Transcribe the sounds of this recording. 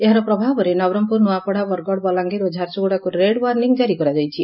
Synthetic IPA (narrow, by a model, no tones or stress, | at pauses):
eɦaɾɔpɾɔbʱabɔɾenɔbɾɔmpuɾnuapɔɽabɔɾɡɔɽbɔlaŋɡiɾod͡ʒʱaɾsoɡɽakuɾeɽwaɾniŋd͡ʒaɾikɔɾad͡ʒɔjt͡ʃʰi